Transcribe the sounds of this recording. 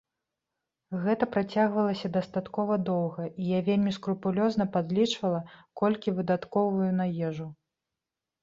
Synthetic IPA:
ɣɛt̪ɐpɾat͡sʲaɣvɐlˠɐsʲɐd̪ɐst̪at̪kɔvɐd̪ɔwɣɐijavʲelʲmʲiskɾupulʲɔznɐpad̪lʲit͡ʂvɐlˠɐkɔlʲkʲivɨd̪at̪kɔvujunajɛʐu

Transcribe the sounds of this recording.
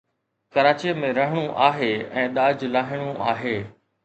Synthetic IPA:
kɐɾaːt͡ɕiəmẽɾɐɦəɽ̃uʔaːɦeɛ̃ːɗ̪aːd͡ʑlaːɦɪɽ̃uʔaːɦeː

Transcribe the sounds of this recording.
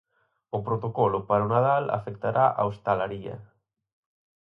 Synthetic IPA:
ʊpɾot̪okɔlʊpaɾʊnaðala̰fɛkt̪aɾʔaʔa̰ost̪alaɾiɐ̰

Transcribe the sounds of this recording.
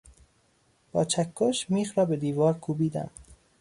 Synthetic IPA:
b̥ɒːt͡ʃʰækʰːoʃmiːxɾɒːbe̞d̪iːvɒːɾkʰuːbiːd̪æ̰m

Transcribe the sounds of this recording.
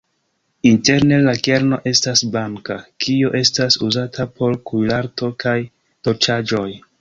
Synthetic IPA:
inte̞ɾne̞lake̞ɾno̞̰ʔe̞stasbaŋkakioʔe̞stasuzatʰapʰo̞ɾkujlaɾto̞kʰaj | to̞t͡ʃad͡ʒo̞j

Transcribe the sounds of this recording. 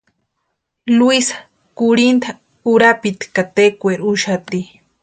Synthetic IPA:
lwisḁ | kuɾint̪ʰa | uɾapit̪kat̪ekʷeɾuʃat̪i

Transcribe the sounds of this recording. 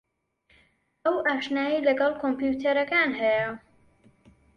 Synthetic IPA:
ɐwʔaːʃnaːjilɐɡɐlˠkʰompjut̪ʰɐɾɐkaːnhɛjɐ

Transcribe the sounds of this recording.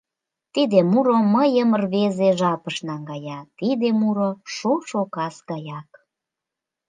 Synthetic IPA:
t̪id̪emuɾoməjəmərβezeʒɑpəʃnɑŋɡɑjɑt̪id̪emuɾoʃoʃokɑsɡɑjɑk

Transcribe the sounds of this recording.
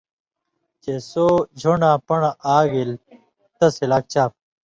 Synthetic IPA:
t͡ɕesoːd͡ʑʱoɳãːpɐɳaʔaːɡil | t̪ɐsilaːk̚t͡ɕʰaːp̚

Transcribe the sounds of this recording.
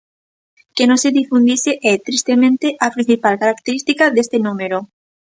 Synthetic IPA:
kenõseðifund̪iseʔɛt̪ɾist̪emẽnt̪eʔapɾĩn̟θipalkaɾak̚t̪eɾist̪ikaðest̪enũmeɾo

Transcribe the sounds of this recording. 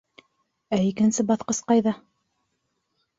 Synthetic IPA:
æikɘ̆nsɘbɑθqɤsqɑjðɑ

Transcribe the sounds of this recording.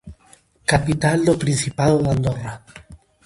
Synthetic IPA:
kapit̪ald̪opɾinθipaðoðand̪ora

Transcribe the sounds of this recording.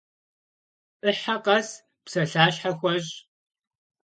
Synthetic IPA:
ʔɨħaqɐs | psɐɬaːɕħaxʷɔʑ

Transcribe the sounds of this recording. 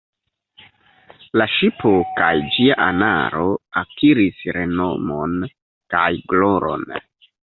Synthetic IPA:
laʃipokajd͡ʒiaʔa̰na̰ɾo̞akiɾisɾe̞no̞̰mon | kajɡloɾo̞̰n

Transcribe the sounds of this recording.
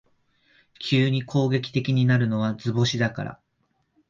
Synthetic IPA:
kʲʰɨːɲ̟ikʰo̞ːɡe̞kʲi̥t̪e̞kʲiɲ̟inaɾɯ̟no̞β̞ad͡zɨbo̞ɕid̪aka̰ɾa̰

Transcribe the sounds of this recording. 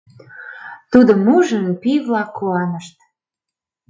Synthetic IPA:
t̪ud̪ŏmuʒənpiβlɑkːuɑnəʃt̪̚

